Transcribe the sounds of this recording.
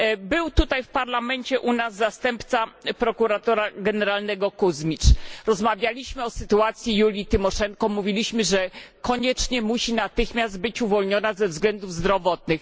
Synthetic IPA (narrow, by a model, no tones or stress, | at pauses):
bɘwt̪ut̪ajfpaɾlamɛɲt͡ɕɛʔunazːast̪ɛmpt̪sapɾɔkuɾat̪ɔɾaɡɛnɛɾalnɛɡɔkuzmʲit͡ʂɾɔzmavʲjalʲiɕmɘɔsɘt̪uat̪sʲjijulʲit̪ɘmɔʂɛŋkɔmuvʲilʲiɕmɘʐɛkɔɲɛt͡ʂɲɛmuɕinat̪ɘxmʲjazd̪̚bɘt͡ɕuvɔlɲɔnazɛvzɡlɛnd̪uvzd̪ɾɔvɔt̪nɘx